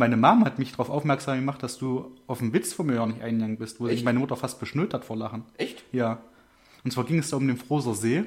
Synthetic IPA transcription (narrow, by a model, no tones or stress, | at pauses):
maɪnəmaːməhatmɪçd̥ʁaʊfʔaʊfmɛɐkz̥aːmɡəmaχtd̥asd̥uːʔaʊfm̩vɪt͡sfɔmøːɐnɪçʔa̰ɪnaŋnbɪstv̥oːɪmaɪnəmʊtɐfast̚b̥əʃnøːthatfoːɐlaχn̩ɛçtjaː | ʔʊntsv̥aːɐɡɪŋɛsd̥aːʊmdeːnfʁ̥oːzɐzeː